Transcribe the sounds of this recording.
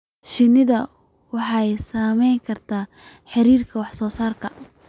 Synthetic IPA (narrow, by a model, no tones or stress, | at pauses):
ʃɪnɪðɐ | wɑħɑɛjsaːmɛjŋkʰɐrt̪ʰaː | ħɑɾiːrkʰɐwɑħsɔːsaːrkʰɐ